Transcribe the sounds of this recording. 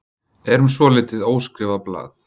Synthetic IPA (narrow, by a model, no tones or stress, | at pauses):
ɛɾʏmsvɔːlɪːt̪ɪðoːwskɾɪːvaðpla̰ːθ